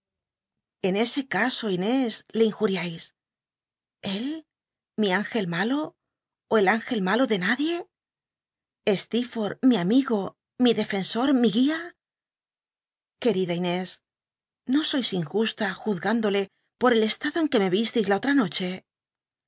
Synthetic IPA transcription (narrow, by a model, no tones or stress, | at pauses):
e̞ne̞se̞kaso̞ine̞sle̞iŋxuɾjajs | e̞l | miaŋxe̞lmalo̞ː | e̞laŋxe̞lmalo̞ðe̞naðje̞ | e̞st̪ifo̞ɾmiamiɣo̞ | miðe̞fe̞nso̞ɾmiɣia | ke̞ɾiðaine̞s | no̞so̞jsiŋxust̪axuðɣand̪o̞le̞ | po̞ɾe̞le̞st̪aðoeŋke̞me̞βist̪ijzlao̞t̪ɾano̞t͡ʃe̞